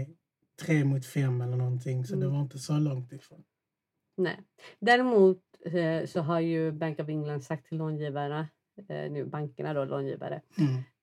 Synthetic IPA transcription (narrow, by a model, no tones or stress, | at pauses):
t̪ʰɾeːmʊːt̪fɛmːɛlːəɳɔnt̪ʰɪŋsɔd̪ɛvaɾɪnt̪əsɔlɔŋt̪ɪfɾoːn | nɛ̰ːd̪æːɾɛmuːt̪sɔɦaɾjɵbɛŋkɔvɪŋland̪sak̚t̪ʰːɪlːoːnjiːvaɾa̰ | nʉ̟ːbaŋkəɳad̪oːlʔo̰ːnjḭːva̰ɾə̰